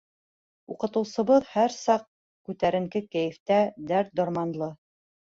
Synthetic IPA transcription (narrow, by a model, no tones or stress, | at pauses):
uqɤ̆t̪ɤ̆wsɤ̆βɤðhæɾsɑq̚ | kʉt̪æɾɘ̆ŋkɘkæjɘ̆ft̪æd̪æɾt̪̚d̪oɾmɑnlˠɤ